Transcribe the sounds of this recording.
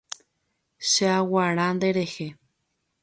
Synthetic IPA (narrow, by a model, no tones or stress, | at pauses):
ʃeawaɾãnd̪eɾehe